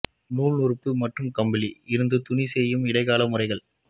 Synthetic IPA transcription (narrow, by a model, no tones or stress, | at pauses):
nuːɻnʊrɯpːɯmɐʈrɯmkɐmbɪliɪɾɯnd̪ɯt̪ʊnisɛjɯmɪɽɐɪɣaːlɐmɯrɐɪɣɐɭ